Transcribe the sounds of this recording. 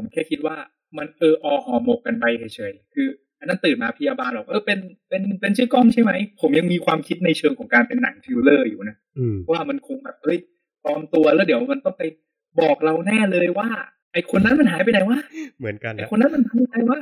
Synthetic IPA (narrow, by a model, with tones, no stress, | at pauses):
pʰo˩˦mkʰɛː˥˩kʰi˦˥t̪̚waː˥˩ | ma˧nʔɤː˧ʔɔː˧hɔː˧˩mo˨˩k̚ka˧nba˧jhʰa˨˩jt͡ɕʰɤ˨˩˦jkʰɯː˧ | ʔa˧nːa˦˥nt̪ɯː˨˩nmaː˧pʰi˧jaː˧baː˧nbɔː˨˩ʔɤː˧˩pe˧npe˧npe˧nsʰɯ˥˩əkɔ˥˩ŋt͡ɕʰa˥˩jma˦˥jpʰo˩˦mja˧ŋmiː˧kʰwaː˧mkʰi˦˥t̪̚na˧jt͡ɕʰɤː˧ŋkʰɔː˩˦ŋkaː˧npe˧nːa̰˨˩˦ŋt̪ʰi˧wlɤː˥˩jṵː˨˩na˦˥ | ɔ˧˦˥waː˥˩ma˧nkʰo˧ŋbɛː˨˩p̚hɤ˦˥˩j | pɾɔː˧mt̪u˧ɐlɛː˦˥˩di˩˦wma˧nt̪ɔ˥˩ŋpa˧j | bɔː˨˩k̚ɾa˧wnɛː˥˩lɤː˧jwaː˥˩ | ʔa˨˩jkʰo˧nːa˦˥nma˧nɦaː˨˩˦jpa˧jna˨˦jwaː˥˩mɯ˩˦n˧a˨˩jkʰo˧nːa˦˥nma˧nhaː˨˩˦pa˧na˧jwaː˥˩